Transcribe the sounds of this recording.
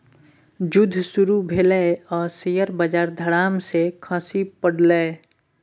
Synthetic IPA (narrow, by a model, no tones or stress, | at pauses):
d͡ʒʊd̪ʱːsʊɾubʱeleɔːɾsejəɾbəd͡ʒaːɾd̪ʱəɽaːmsekʰə̃sipəɽleː